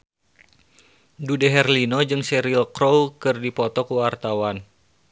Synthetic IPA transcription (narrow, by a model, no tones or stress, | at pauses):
dudɛɦɛrlinod͡ʒɨŋsɛɾilkɾowkɨrdipɔt̪ɔkuwart̪awan